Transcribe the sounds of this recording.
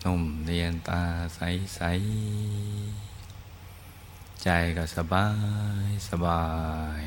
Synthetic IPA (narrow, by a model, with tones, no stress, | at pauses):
no˧˩mli˧ənt̪aː˧sa˨˧˦jsa˧˦j | t͡ɕa˨˩jka˧˩sa˧baː˧˩jsa˧baː˨˩j